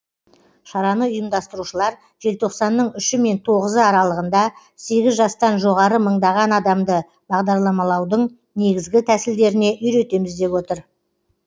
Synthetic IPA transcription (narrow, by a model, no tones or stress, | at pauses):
ʃɑɾɑnəʊjəmd̪ɑst̪əɾuʃəlˠɑɾ | ʒ̥e̞lt̪ʰo̞qsɑnːəɴʏʃɪme̞nt̪ʰo̞ʁəzəɑɾɑlˠəʁənd̪ɑ | se̞ɡʲɪzʒɑst̪ɑnʒo̞ʁɑɾəməɴd̪ɑʁɑnɑd̪ɑmd̪ə | bɑʁd̪ɑɾlˠɑmɑlˠɑwd̪əɴ | ne̞ɡʲɪzɡʲɪt̪ʰæsɪld̪e̞ɾɪne̞ʔʏjɾe̞t̪e̞mɪzd̪e̞pwo̞t̪əɾ